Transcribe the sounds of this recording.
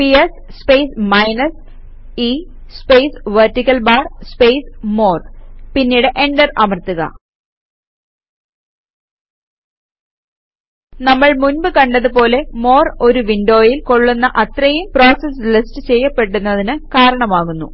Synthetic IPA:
pies | spejsmɐjnɐs | i | spejsʋertikʲːɐlbaːrspejsmoːrpinːiːɽɨʔe̞ɳɖɐrɐmɐrt̪uɣɐ̰ | nɐmːɐɭmunbɨkɐɳɖɐðupo̞ːle̞mo̞ːro̞ɾuʋinɖo̞ːjilko̞ɭːunːɐʔɐt̪rɐjumpro̞ːsɐslistɨt͡ɕe̞jːɐpːe̞ʈːunːɐðinɨkaːɾɐɳɐmaːɣunːṵ

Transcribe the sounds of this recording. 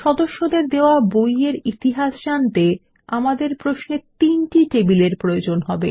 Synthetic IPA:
ʃɔd̪oʃːod̪eɾd̪eoabojeɾit̪iɦaʃʃant̪e | amad̪eɾpɾosnet̪inʈiʈebileɾpɾojod͡ʑonɦɔbḛ

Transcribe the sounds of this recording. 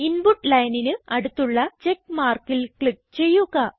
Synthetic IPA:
inbuʈːlɐjninɨɐɽut̪ːuɭːɐt͡ɕe̞kːmaːrkilkɭip̚ːt͡ɕe̞jːuɣɐ

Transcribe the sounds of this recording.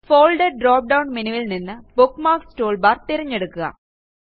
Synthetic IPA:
foːlɖɐɖroːp̚ɖɐwnminuʋɐlninːɨbukːmaːkstoːɭbɐrt̪ːiɾɐɲːeɽukːuɣɐ̰

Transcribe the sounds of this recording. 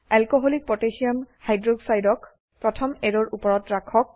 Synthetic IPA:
alkoɦolik̚pɹɔtesiamhajdɹoɡsajdɔk | pɹɔtʰɔmɛɹɔɹʔupɔɹɔtɹakʰɔk̚

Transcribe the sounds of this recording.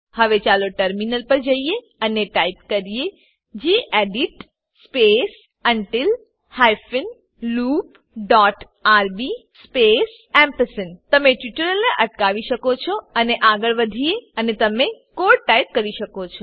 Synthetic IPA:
həʋet͡ʃaloʈəɾminəlpəɾd͡ʒəie | əneʈaipkəɾije | d͡ʒeʔeɖiʈ | spes | əɳʈɪl | hajfɪn | luːp | ɖɔʈ | aɾbispes | ɛmpəsənt̪əmẽʈjuʈəɾəlnẽʔəʈkaʋiʃəkot͡ʃʰoəneʔaɡəɭʋəd̪ʱieənet̪əmẽkoɽʈaip̚kəɾiʃəkot͡ʃʰo

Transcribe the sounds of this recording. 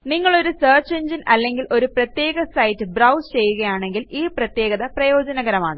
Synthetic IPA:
niŋːɐɭo̞ɾusɐːrt͡ɕeɲd͡ʑinʔɐlːe̞ŋɡilʔo̞ɾuprɐt̪je̞ːɡɐsɐjtːɨbrɐwst͡ɕe̞jːuɣɐjaːɳe̞ŋɡiliːprɐt̪je̞ːɡɐðɐprɐjo̞ːd͡ʑɐnɐɣɐɾɐma̰ːɳɨ

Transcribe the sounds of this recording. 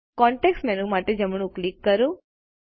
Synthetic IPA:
kɔɳʈeksʈmenũmaʈed͡ʒəmɳ̃ũklikːəɾũ

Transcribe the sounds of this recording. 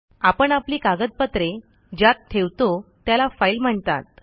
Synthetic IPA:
apəɳapliːkaɡət̪̚pət̪ɾe | d͡ʑjat̪t̪ʰːeʋt̪ot̪jalafailm̤əɳt̪a̰t̪̚

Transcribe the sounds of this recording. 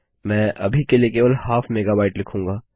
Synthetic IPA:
mɛ̃ːʔɐbʱikeliekeːʋəlhaːfʰmeːɡaːbaːɪʈlɪkʰũːŋɡaː

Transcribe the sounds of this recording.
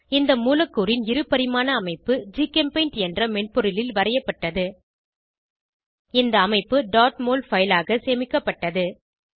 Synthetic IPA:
ɪnd̪ɐmuːlɐkːuːɾɪnɪɾɯpːɐɾɪmaːnɐːmɐɪpːɯd͡ʒiːkɐmpɐɪnʈɛndrɐmɛɳpɔɾɯlɪlʋɐɾɐjɐpːɐʈːɐðɯ | ɪnd̪ɐːmɐɪpːɯɖaːʈmoːlfɐjlaːɣɐseːmɪkːɐpːɐʈːɐðɯ

